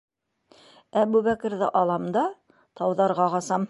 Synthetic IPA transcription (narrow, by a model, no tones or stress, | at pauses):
æbʉβækɘ̆ɾðɘ̰ʔɑlˠɑmd̪ɑ | t̪ɑwðɑɾʁɑʁɑsɑm